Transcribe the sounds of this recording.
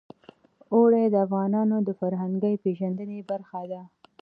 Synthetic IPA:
oɽed̪əafɣɑnɑnod̪əfaɾɦaŋɡəjpeʒand̪ənebaɾxad̪a

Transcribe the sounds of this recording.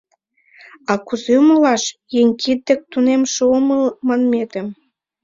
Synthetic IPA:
ɑkuzeuməlɑʃjeŋʲkʰid̪̚d̪ə̆k̚t̪unemʃooməlmɑnmet̪ə̆m

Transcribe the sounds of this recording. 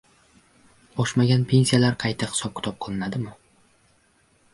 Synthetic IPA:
bɒʃmaɡʲanpʰe̞nsijalaɾqʰɑjt̪ʰaχɪ̥sɒp̚kʲʰɪ̥t̪ʰɒp̚qʰɨlˠɪnad̪ɪmʊ

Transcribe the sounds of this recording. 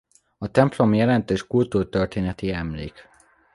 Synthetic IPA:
ɒt̪ɛmplo̞mjɛlɛnt̪øːʃkult̪uːrt̪ørt̪eːnɛt̪iɛmlḛːk

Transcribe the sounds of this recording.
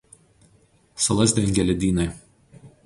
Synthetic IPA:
sɐlˠɐzʲd̪ʲɛŋʲɡʲɛlʲɛd̪ʲiːnɐɪ

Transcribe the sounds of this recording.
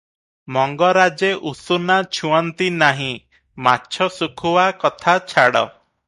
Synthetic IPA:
mɔŋɡɔɾad͡ʒeʔusunat͡ʃʰuɔnt̪inaɦĩ | matːʃʰɔsukʰuwakɔt̪ʰat͡ʃʰaɽɔ̰

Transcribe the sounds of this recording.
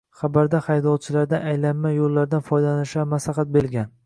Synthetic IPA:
χɑbaɾd̪aχajd̪ɒlt͡ʃʰɪlaɾd̪anajlanmajolˠːaɾd̪anfɒjd̪alanɪʃamaslɑχɑt̪̚belɡʲan

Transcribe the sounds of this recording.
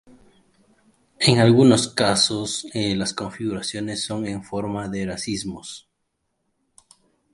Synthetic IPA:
e̞ŋalɣuno̞skaso̞slasko̞ɱfiɣuɾasjo̞ne̞sːo̞ŋe̞ɱfo̞ɾmaðe̞ɾasizmo̞s

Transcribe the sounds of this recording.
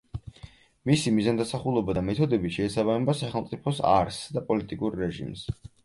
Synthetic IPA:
misimizand̪asaχulˠɔbad̪amɛt̪ʰɔd̪ɛbiʃɛːsaβamɛbasaχɛlˠmt̪sʼipʰɔsa̰ɾsd̪apʼɔlit̪ʼikʼuɾːɛʒḭms

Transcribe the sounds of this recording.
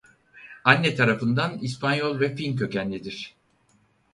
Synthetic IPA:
anːɛt̪ʰaɾafɯnd̪anispʰanjolˠvɛfilmcø̞cænlʲid̪iɾ̥

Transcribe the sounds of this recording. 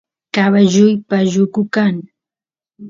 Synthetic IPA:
kaβaʒʊjpaʒʊkʊkaŋ

